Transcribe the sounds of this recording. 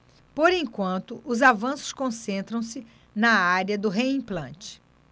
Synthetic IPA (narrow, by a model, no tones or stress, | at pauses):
poɾẽjkwɐ̃nt̪ʊʔʊzavɐ̃sʊ̥skõsẽnt̪ɾɐ̃w̃sɪ | nɐaɾɐd̪ʊɦeĩplɐ̃t͡ʃɪ̥